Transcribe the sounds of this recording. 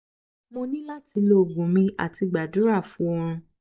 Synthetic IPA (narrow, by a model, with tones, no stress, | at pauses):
mo˧nĩ˦la˦ti˧lo˦˨ɡũ˨˦mĩ˧˦ʔa̰˨ti˧ɡ͡ba˨du˨˦ɾa˦˨fũ˨˦ɔ˧ɾ̃ũ˧